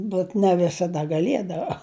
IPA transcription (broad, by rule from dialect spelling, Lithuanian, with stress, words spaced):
bʲɛt nʲɛ ʋʲɪsɐˈdɐ ɡɐˈlʲiɛdɐʋɐ